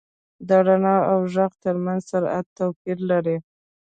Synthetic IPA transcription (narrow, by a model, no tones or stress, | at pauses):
d̪ɑɽanɑawʒaqt̪əɾmanzsaɾa̰t̪ːawpiɾlaɾi